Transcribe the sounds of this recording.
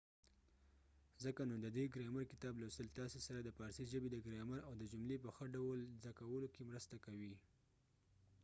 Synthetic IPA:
zəkanod̪əd̪eɡɾaməɾkɪt̪ɑblasəlt̪ɑsesaɾad̪əpɑɾsiʒəbed̪əɡɾeməɾawd̪əd͡ʒʊmlep̬əxəɖawəlzakawəlokemɾəst̪akawi

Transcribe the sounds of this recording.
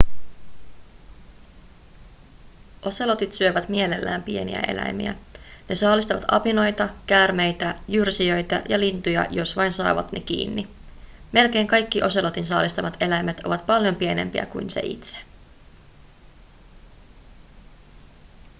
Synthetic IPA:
ʔo̞se̞lo̞t̪it̪syøʋæt̪mie̞lelːæ̰ːmpie̞nḭæ̰ʔe̞̰læ̰jmḭæ̰ne̞sɑːlist̪ɑʋɑ̰t̪ɑpino̞jt̪ɑkæːrme̞jt̪æjyrsiø̞jt̪æjɑlint̪ujɑ̰jo̞sʋɑjnsɑ̰ːʋɑ̰t̪nʔe̞̰k̟ḭːnːi | me̞lke̞ːŋkɑjkːiʔo̞selo̞t̪insɑ̰ːlist̪ɑmɑt̪e̞læjmet̪o̞̰ʋɑt̪pɑljo̞mpie̞ne̞̰mpiæ̰kuinsḛʔḭt̪se̥

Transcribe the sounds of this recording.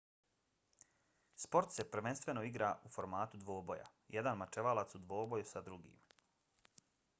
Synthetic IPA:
spo̞ɾt̪se̞pɾʋenst̪vʋe̞no̞iɡɾaːufo̞ɾmaːt̪ud̪ʋo̞ːbo̞ja̰ | jed̪anmat͡ʃeʋalˠat̪sud̪ʋo̞ːbo̞jusad̪ɾuɡḭːm

